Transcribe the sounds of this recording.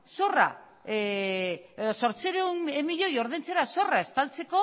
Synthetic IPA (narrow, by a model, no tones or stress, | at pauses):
so̞ra̰ | so̞ɾt͡seɾenemiʎo̞jo̞ɾð̞ent͡se̞ɾaso̞rae̞st̪alt͡se̞ko̞